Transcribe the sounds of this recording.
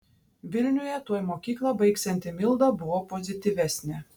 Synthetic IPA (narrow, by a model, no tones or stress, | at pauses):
ʋʲɪlʲnʲʊjɛt̪uɔjmoːkʲiːklˠɑbɐɪksʲɛnʲt̪ʲɪmʲɪlˠd̪ɐbʊʋoːpozʲɪt̪ʲiːʋʲæsʲnʲɛ